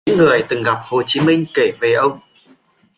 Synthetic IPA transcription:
ŋːɨ˨˩əjt̪ɨ˨˩ŋɣa˨˩p̚ho˨˩t͡ɕi˨˦mï˧ŋ̟ke˧˩ve˨˩ʔə˧wŋ͡m

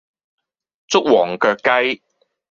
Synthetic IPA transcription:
t͡sʊ˥k̚wɔː˨˩ŋkœː˧kːɐ˥j

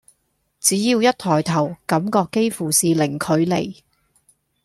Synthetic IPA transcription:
t͡siː˨˥jiː˧wjɐ˥t̚t̪ʰɔː˨˩jt̪ʰɐ˨˩wkɐ˨˧˥mkɔː˧kːe˥jfuː˨˩siː˨lɪ˨˩ŋkʰɵ˨˧ɥle˨˩j

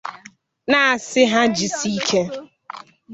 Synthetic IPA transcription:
na˦˨sɪ˦ɦa˦d͡ʒi˨si˦kʰe˦

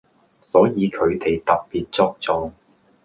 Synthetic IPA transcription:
sɔː˨˥jiː˨˧kʰɵ˨˧ɥt̪e˨jt̪ɐ˨k̚piː˨t̚t͡sɔː˥k̚t͡sɔː˧ŋ

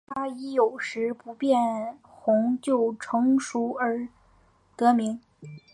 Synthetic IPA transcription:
t̪ʰa˥i˧˥jo˨˩ʊʂɻ̩˧˥pu˧˥pjɛ˥˩n | xʊ˧˥ŋt͡ɕjo˥˩ʊʈ͡ʂʰɤ˧˥ŋʂu˧˥ə˞˧˥ | t̪ɤ˧˥mi˧˥ŋ

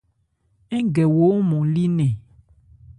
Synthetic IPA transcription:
ɛ˦ɡɛ˨wo˨˦mɔ̃˨li˦nɛ̃˨

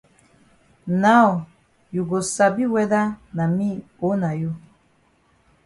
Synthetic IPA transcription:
na˦ɔ˨ | ju˨ɡo˨sa˨bi˦wɛ˦da˦na˨mĩ˦ | o˨˦na˨ju˦

